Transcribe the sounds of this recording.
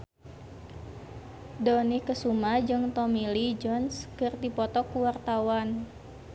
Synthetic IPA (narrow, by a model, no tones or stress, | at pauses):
dɔnikəsumad͡ʒɨŋt̪ɔmilid͡ʒɔnskɨrdipɔt̪ɔkuwart̪awan